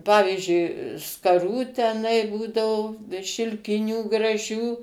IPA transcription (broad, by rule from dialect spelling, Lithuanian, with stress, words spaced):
ˈpɑːʋʲiːʒʲʊɪ skɐˈruː tʲɛˈnɐɪ ˈbuːdɐʋoː ʃʲɪlʲˈkʲɪnʲuː ɡrɐˈʒʲuː